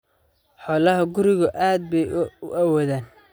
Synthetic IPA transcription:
ħɔːlɐɦɐɡʊɾɪɣʊʔaːd̪̚bɛjʊʔawɔːðaːn

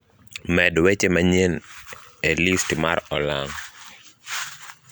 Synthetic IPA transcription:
mɛdwet͡ʃemaɲen | elistmaɾɔlaŋ

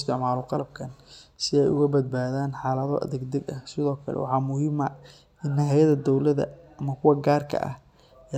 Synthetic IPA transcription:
st̪ʰɪʕmaːlɔqɑlɐb̚kʰɐnsɪɛjʊ̰ɣɐbɐd̪̚baːðaːnħɑːlɐðɔ̰ʔɐ̰ðɛɡd̪ɐɡɐsɪðɔːkʰɐ̰lɛ̰wʔɑ̰ħɑːmʊhɪːmɐ | ɪnːɐɦɐjɐðɐd̪ɔwlɐðɐ̰ɐmɐkʰʊwɐɡaːrkʰɐ̰ʔɐ̰h | ɛ

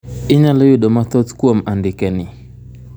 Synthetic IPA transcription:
ɪɲalɔjʊdomat̪ɔt̪kwomandɪkɛnɪ

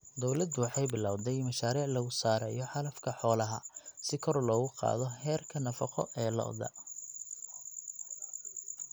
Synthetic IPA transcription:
d̪ɔwlɐd̪wɑħɑjbɪlaːwd̪ɛjmɐʃaːɾiːʕlɐɣʊsaːɾɛːjɔħɑlɐfkʰɐħɔːlɐɦɐ̰sɪkʰɔrlɔːɣʊqɑ̰ːðɔhɛːrkʰɐnɐfɑqɔ̰ʔɛːlɐ̰ʔɔ̰ðɐ̰

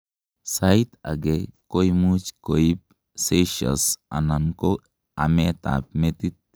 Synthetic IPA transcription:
sait̪a̰ɡekojmut͡ʃkoip̚ | seʃɐ̰sa̰nanko | amet̪a̰p̚met̪it̪̚

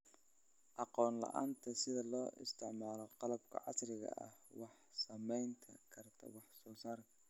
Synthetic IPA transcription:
ʔɑqɔːnlɐ̰ʔaːnt̪ʰɐsɪðɐlɔːʔɪ̰st̪ʰɪʕmaːlɔqɑlɐbkʰɐ̰ʕɑ̰srɪɣɐ̰ʔɐ̰hwɑħ | sɐmɛjnt̪ʰɐ̰kʰɐrt̪ʰɐ̰wɑħsɔːsaːrkʰɐ

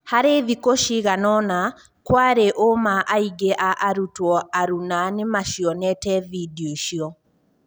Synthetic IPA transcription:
haɾeðikoʃiɣanɔna | kwaɾeʔomaʔaiɡeʔaʔːɾutwɔaɾunanemaʃiɔnɛtɛvidioʃiɔ

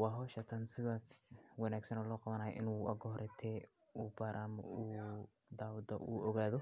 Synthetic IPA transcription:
wɑɦɔʃɐt̪ʰɐnsɪðaː | wɑnaːɡsɐnɔlɔːqɑβɐnaːjɔ̰ʔɪnuʔɐ̰ɡɔɦɔɾʔɛt̪ʰɛ | ubaːɾʔamɔ̰uː | d̪aːwud̪ɐ̰ʔuːʔɔɣaːðɔ

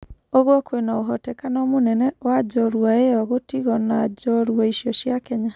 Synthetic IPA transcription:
oɣwɔkwenaoɦɔtɛkanɔmonɛnɛwad͡ʒɔɾwaejɔɣotiɣɔnad͡ʒɔɾwaiʃjɔʃjakɛɲa

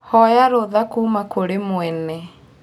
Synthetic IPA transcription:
hɔjaɾoðakuːmakoɾemoɛnɛ

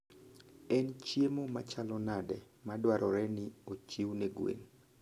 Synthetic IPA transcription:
ɛnt͡ʃjemomat͡ʃalɔnadɛ | madwaɾʔɔɾɛnɪot͡ʃiwneɡwḛn

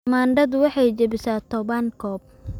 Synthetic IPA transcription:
maːɳɖɐd̪ʊwɑħɑjt͡ʃɐbɪsaːt̪ʰɔβaŋkʰɔːb̚

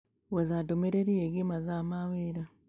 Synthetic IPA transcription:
wezadomeɾeɾieɡimazamaweɾa

